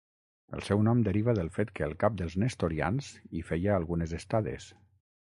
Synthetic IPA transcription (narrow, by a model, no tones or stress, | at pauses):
ə̰lˠsɛwnɔmd̪əɾiβəðəlˠfet̪kəːlˠkap̚d̪əlˠznest̪oɾia̰nzifɛjəːlˠɣunəzəst̪aðḛs